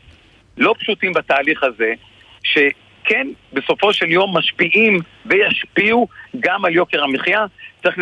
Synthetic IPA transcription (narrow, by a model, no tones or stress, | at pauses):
lo̞pʃutimbataːliχhaze̞ | ʃe̞ | kʰenbe̞so̞fo̞ʃe̞ljo̞mːaʃpiʔim | vejaʃpiuɡamaljo̞ke̞ʁamiχjatt͡saʁiχl